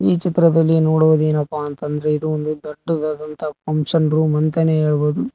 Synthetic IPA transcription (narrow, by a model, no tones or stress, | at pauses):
iːt͡ʃit̪ɾɐd̪ɐlːinoːɽuʋɐd̪eːnɐpːaːnt̪ɐnd̪ɐɾe̞id̪uond̪ud̪ɐʈːɐd̪aːd̪ɐnt̪ɐkɐmsɐɳɾumɐnt̪ɐneɦe̞ːɭboːd̪u